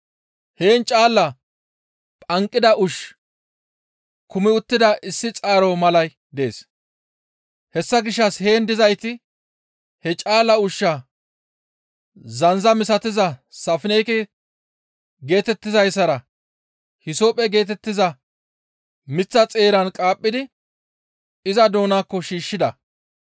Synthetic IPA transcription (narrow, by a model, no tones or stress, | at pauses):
he̞ːnt͡ʃʼaːlːɐ | pʼɐŋkʼːɪd̪ɐʔʊʃ | kʊmɪʊt̪ːɪd̪ɐʔɪsːɪt͡sʼaːɾomɐlɐj | d̪e̞ːs | hɛsːɐɡɪʃːɐshe̞ːnd̪ɪzɐjt̪ɪ | hɛt͡ʃʼaːlːɐʊʃːɐ | zɐnzɐmɪs̬ɐt̪ɪzɐsɐfɪnɛjkɛ | ɡe̞ːt̪ɛt̪ːɪzɐjsːɐɾɐ | hɪsoːpʼːɛɡe̞ːt̪̬ɛt̪ːɪzɐ | mɪt͡sːɐt͡sʼe̞ːɾɐnkʼaːpʼːɪd̪ɪ | ɪzɐd̪o̞ːnaːkːɔʃiːʃːɪd̪ɐ